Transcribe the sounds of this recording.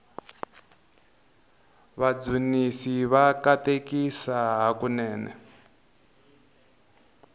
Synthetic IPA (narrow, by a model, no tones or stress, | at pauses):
βad͡zunisiβakatekisaɦakunɛːnɛ̰